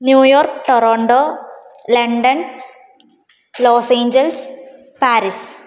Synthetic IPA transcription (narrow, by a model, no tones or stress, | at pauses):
njuːjoːɾkʈɔɾoːɳɖoː | lɐɳɖɐn | loːseːɲd͡ʒels | paːɾis